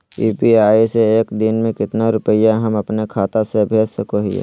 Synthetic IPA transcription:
iːpiaːiseeːkd̪ɪnmẽkɪt̪naɾʊpəɪjaɦɐmɐpnekʰaːt̪asebʱeːd͡ʒsɐkoɦiḛː

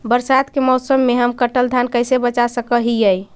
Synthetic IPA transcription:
bəɾsad̪kemɔʊsəmːeɦəmkəʈəld̪ʱankəjsebət͡ʃasəkəɦijəj

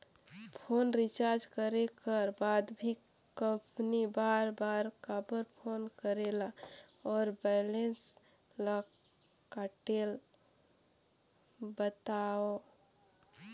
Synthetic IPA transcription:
pʰonɾit͡ʃaɾd͡ʒkəɾekəɾbad̪bʱi | kə̃mpnibaɾbaɾkabəɾpʰonkəɾelaɔɾbɛlenslə | kaʈel | bət̪ao

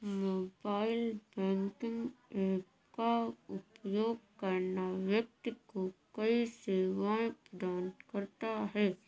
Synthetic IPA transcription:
moːbaːɪlbɛ̃ːŋkɪ̃ŋɡeː | kaʊpjoːɡ̚kəɾnaʋjɐk̚t̪kokəiseːʋãpɾəd̪aːnkəɾt̪aɦɛː

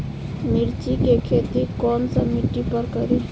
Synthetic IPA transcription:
miɾt͡ʃikekʰet̪ikɔnsəmiʈipəɾkəɾi

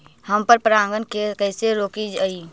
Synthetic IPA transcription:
həmpəɾpɾaŋɡənkekəɪseɾokid͡ʒəi

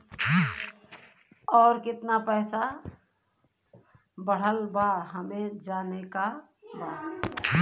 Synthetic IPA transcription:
ɔːɾkɪt̪napɛːsa | bəɽ̤əlbaɦəmẽd͡ʒaːneka | baː

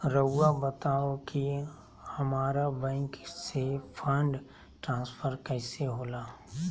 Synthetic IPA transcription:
ɾəːabət̪aːoki | hɐmaːɾabɛ̃ːŋksepʰə̃ɳɖ | ʈɾãːnspʰəɾkəɪseɦoːlaː

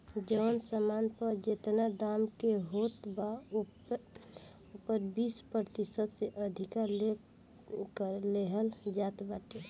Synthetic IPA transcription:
d͡ʒəʋənsəmanpəɾd͡ʒet̪nad̪amkeɦot̪ba | opəɾbispɾət̪isəd̪seʔəd̪ʱikaɾle | kəleɦəld͡ʒat̪baʈe

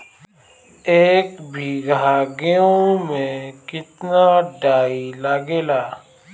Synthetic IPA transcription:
eːkbʱiɡaːɡijõmẽkɪt̪naɖaːiləɡeːlaː

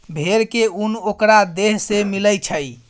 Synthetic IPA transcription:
bʱeɾkeunokɾad̪eɦsemiləjt͡ʃʰəj

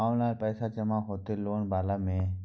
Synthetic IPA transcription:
aːnaːɾpɛːsad͡ʒəmaɦoːt̪eloːɳbaːlamẽː

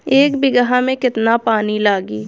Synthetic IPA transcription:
eːkbɪɡəɦamẽkɪt̪napaːnilaːɡiː

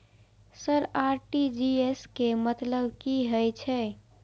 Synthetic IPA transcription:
səɾaɾʈid͡ʒieskemət̪ləbkiɦəjt͡ʃʰɛ

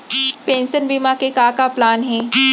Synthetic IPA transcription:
pẽːnsənbiːmakekaːkaplaːnɦɛ̃ː

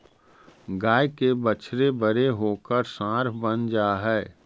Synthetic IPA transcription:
ɡaːjkebət͡ʃʰɾebəɾeɦoːkəɾsãːɾbənd͡ʒaːɦɛː

